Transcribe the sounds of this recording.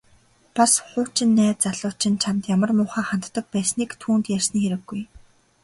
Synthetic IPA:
pasχʊːt͡ɕɪ̆nːæːt͡saɮʊːt͡ɕɪ̆nt͡ɕʰamt̪jamə̆rmʊːχaːχan̥t̪ːə̆k̚pæːsniːkt̪ʰuːnt̪jær̥sniːxeɾɘ̆ɡːuj

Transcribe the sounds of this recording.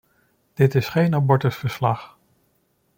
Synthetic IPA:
d̥ɪtɪsχejnabɔɹtəsfəɹslɑχ

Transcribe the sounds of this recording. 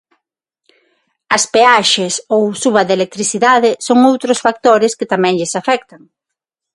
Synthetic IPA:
ɐspeaʃesowsuβɐðelek̚t̪ɾiθiðaðɪsoŋowt̪ɾʊsfak̚t̪oɾɪskɪt̪amɛ̃ŋʎɪsafɛk̚t̪ɐŋ

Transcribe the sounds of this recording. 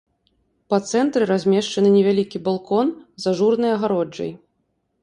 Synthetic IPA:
pɐt̪sɛnt̪ɾɨɾazʲmʲɛʂt͡ʂɐnɨnʲɛvʲalʲikʲibalˠkɔnzɐʐurnɨjɐɣaɾɔd͡ʐɐ̰j

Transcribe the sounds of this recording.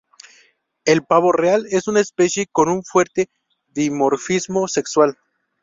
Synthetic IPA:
e̞lpaβo̞reale̞sunaespe̞sje̞ko̞nuɱfweɾt̪e̞ | ðimo̞ɾfizmo̞se̞kswal

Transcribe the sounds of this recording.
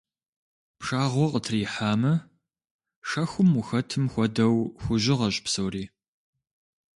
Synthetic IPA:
pʂaːʁʷɔqətʰriːħaːmɐ | ʂɐxʷʊmʊxɐtʰɨmxʷɔdɐwxʷʊʑɪʁɐɕʼpsɐwriː

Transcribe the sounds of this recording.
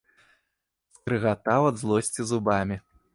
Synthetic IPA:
skɾɨɣat̪awɐd̪zlˠɔsʲt͡sʲizubamʲi

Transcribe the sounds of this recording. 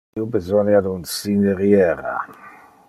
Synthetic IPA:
ubezɔnjad̪unsineɾjɛɾa̰

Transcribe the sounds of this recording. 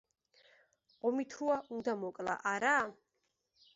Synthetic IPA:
ɔmit̪ʰuaʔund̪amɔkʼla̰ʔaɾa

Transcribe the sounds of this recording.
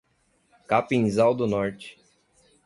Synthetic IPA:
kapĩzawd̪ʊnɔɾt͡ʃɪ̥

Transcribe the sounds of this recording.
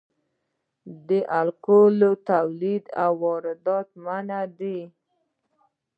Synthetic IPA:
d̪əʔalqolot̪awlid̪a̰wːɔɾɪd̪ɑt̪manad̪i

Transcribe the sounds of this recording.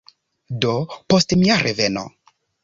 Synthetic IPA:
dopostmiaɾʔeveno̰

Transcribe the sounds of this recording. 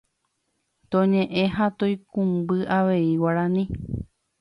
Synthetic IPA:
t̪õɲẽʔẽɦat̪oikũmbɨʔaʋe̞iwaɾãnĩ

